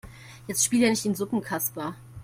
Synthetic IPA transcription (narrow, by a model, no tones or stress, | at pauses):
jɛt͡stʃpiːlanɪçtiːnzʊpŋ̩kʰaspɐ